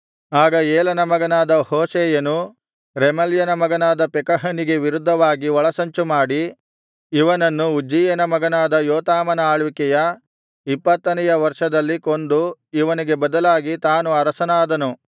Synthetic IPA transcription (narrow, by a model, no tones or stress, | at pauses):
aːɡɐeːlɐnɐmɐɡɐnaːd̪ɐhoːsɛːjɐnu | ɾemɐljɐnɐmɐɡɐnaːd̪ɐpɛkɐɦɐniɡe̞ʋiɾud̪ʱːɐʋaːɡiɔɭɐsɐɲt͡ʃumaːɽiː | ʋɐnɐnːuud͡ʒijɐnɐmɐɡɐnaːd̪ɐjɔːt̪aːmɐnɐaːɭʋikɛjɐ | ipːɐt̪ːɐnɐjɐʋɐɾʂɐd̪ɐlːikond̪uiʋɐniɡe̞bɐd̪ɐlaːɡit̪aːnuɐɾɐsɐnaːd̪ɐnu